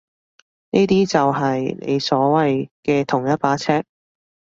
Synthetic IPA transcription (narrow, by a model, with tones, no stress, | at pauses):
niː˥t̪iː˥t͡sɐ˨wɦɐ˨jnḛ˨˧jsɔː˨˥wɐ˨jkɛː˧t̪ʰʊ˨˩ŋjɐ˥t̚paː˨˥t͡sʰɛː˥k̚